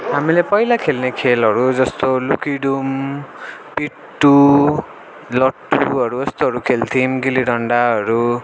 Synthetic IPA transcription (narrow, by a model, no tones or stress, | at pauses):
ɦamilepʌjlakʰelnekʰelɦʌɾud͡zʌst̪olukiɖum | pi | ʈːu | lʌʈːuɦʌɾuʌst̪oɦʌɾukʰelt̪ʰimɡiliɽʌɳɖaɦʌɾu